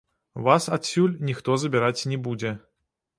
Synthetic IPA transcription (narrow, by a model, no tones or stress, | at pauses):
vasat̪sʲulʲnʲixt̪ɔzɐbʲɪɾat͡sʲnʲɛbud͡zʲɛ